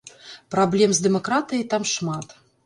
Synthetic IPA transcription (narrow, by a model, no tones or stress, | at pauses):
pɾɐblʲemzd̪ɛmɐkɾat̪ɨjt̪ɑmʂmɑt̪